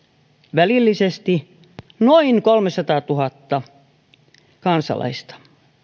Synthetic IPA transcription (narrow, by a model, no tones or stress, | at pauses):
ʋælilːisest̪i | noinkolmesɑt̪ɑːt̪uhɑt̪ːɑ | kɑnsɑ̰lɑ̰ist̪ɑ̥